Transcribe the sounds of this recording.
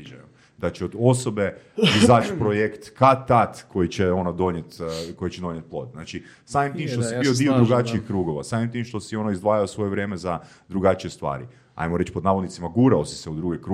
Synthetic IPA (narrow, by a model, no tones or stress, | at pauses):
d͡ʒa̰ju | d̪at͡ʃeod̪o̞so̞be̞ | izaːt͡ʃpɾojekt̪kat̪at̪ko̞jit͡ɕeo̞nod̪o̞ɲjet̪ko̞jet͡ɕed̪o̞ɲjet̪̚plˠo̞̰d̪znaːt͡ʃi | saːmimt̪iːmʃt̪osibiod̪iod̪ɾuɡat͡ʃiixkɾuːɡo̞ʋa̰saːmimt̪iːmʃt̪o̞sio̞noizd̪ʋaːjaosʋo̞jeʋɾje̞ːmeza | d̪ɾuɡat͡ʃie̞st̪ʋa̰ːɾḭ | a̰jmoɾet͡ʃpo̞d̪naːʋod̪nit̪imaɡuːɾaosi̥seud̪ɾuɡekɾu